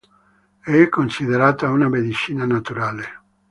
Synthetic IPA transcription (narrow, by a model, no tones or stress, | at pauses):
ɛɛkːonsiðeɾaːt̪aunamed̪it͡ʃiːnanat̪uɾaːle